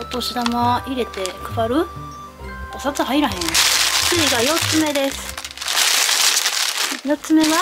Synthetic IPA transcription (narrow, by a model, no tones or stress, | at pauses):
ot̪ːoɕid̪amaiɾe̞t̪e̞kɯbaɾɯ̟ | t̪asat͡sɨɦaiɾaɦẽ̞ŋt͡sɨiɡajo̞t͡sɨme̞d̪e̞sɨ̥ | jo̞t͡sɨme̞βa